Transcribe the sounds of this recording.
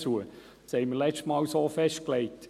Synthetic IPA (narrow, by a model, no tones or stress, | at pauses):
t͡suə | sheɪməlɛt͡ʃtmɑːlsoːfɛʃt̚kleɪt